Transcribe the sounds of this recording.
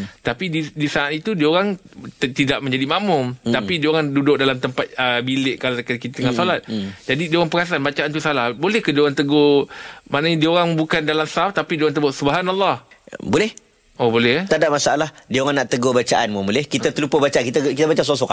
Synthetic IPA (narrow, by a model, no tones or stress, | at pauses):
t̪apididisaat̪it̪udioɾaŋt̪idaʔ̚mə̃ɲd͡ʒadimãʔmʊmt̪apidioɾaŋdudʊk̚dalamt̪əmpat̪̚əbilɪʔkalakakit̪at̪əŋasolat̪̚d͡ʒadidioɣaŋpəɾas̬anbat͡ʃaʔant̪usalahbolɛhkadioɣaŋt̪əɡomaʔnaɲadioɾaŋbukandalamsaft̪apidioɣaŋt̪əbʊʔsubəɦanalˠˤːɑhbolɛh | ʔobolɛht̪adamasaalahdioɣaŋnaʔt̪əɡobat͡ʃaʔanməmolɛhkit̪at̪əlupəbat͡ʃankit̪akit̪abat͡ʃas̬osɔk